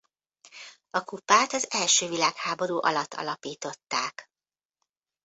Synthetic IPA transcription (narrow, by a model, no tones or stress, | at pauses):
ɒkupaːt̪ɒzɛlʃøːvilaːkhaːbo̞ɾuːʔɒ̰lɒt̪ːɒ̰lɒpiːt̪o̞t̪ːaːk